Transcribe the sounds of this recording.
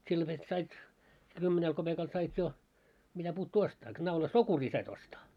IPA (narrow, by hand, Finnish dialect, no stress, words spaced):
silːo ʋet sɑit se kymːenel kob̥ekɑl sɑit jo mitæpuːtːuː ostɑː knɑulɑ sokuriː sɑit ostɑː